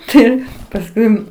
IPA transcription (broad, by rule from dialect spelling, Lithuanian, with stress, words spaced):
ˈtɐɪ pɐsˈkʊɪ